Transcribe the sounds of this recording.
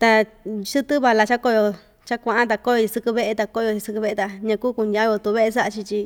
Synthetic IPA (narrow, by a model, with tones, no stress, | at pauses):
t̪a˧ | ʃɨ˦t̪ɨ˦βa˧la˧t͡ʃa˦ko˧jo˧ | t͡ʃa˦kʷã˧ʔã˦t̪̬a˧ko˧˦jo˧i˧sɨ˧kɨ˧βe˦˧ʔe˧t̪a˧ko˦˧jo˧t͡ʃi˧sɨ˧kɨ˧βe˧e˧t̪a˧ɲã˧kuː˦ku˧n˧ã˦jo˧t̪u˧βe˦ʔe˧sa˦ʔa˧t͡ʃi˧t͡ʃi˧